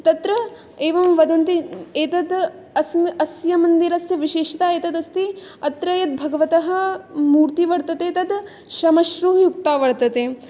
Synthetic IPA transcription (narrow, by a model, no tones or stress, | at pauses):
t̪ɐt̪ɾɐ | eːʋɐmʋɐd̪ɐnt̪ieːt̪ɐd̪ | ɐsmɐsjɐmɐnd̪iɾɐsjɐʋiʃeːʃit̪aːeːt̪ɐd̪ɐst̪i | ɐt̪ɾɐjɐt̪̚bʱɐɡɐʋɐt̪ɐɦɐ̆muːɾt̪iʋɐɽt̪ɐt̪eːt̪ɐd̪ | ʃɐmɐʃɾuɦjuk̚t̪aːʋɐɽt̪ɐt̪eː